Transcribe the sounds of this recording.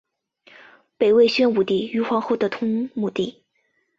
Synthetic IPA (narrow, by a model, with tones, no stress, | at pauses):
pe˨˩ɪwe˥˧ɪɕɥɛ˥nu˨˩t̪i˥˩y˧˥xwɑ˧˥ŋxo˥˩ʊd̪ə˩t̪ʰʊ˥ŋmu˨˩t̪i˥˩